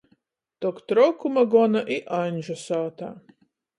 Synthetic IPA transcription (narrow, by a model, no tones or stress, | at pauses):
t̪ɔkt̪ɾɔkumaɡɔnaʔiʔanʲʒɔsaːt̪a̰